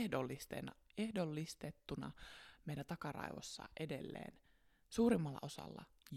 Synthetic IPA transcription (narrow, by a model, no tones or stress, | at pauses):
dolːist̪ḛnɑehdolːist̪et̪ːunɑmejlæt̪ɑkɑrɑ̰iʋo̰sːɑ̰ʔedḛlːḛːn | suːɾimːɑlːɑ̰ʔo̞sɑ̰lːɑ | j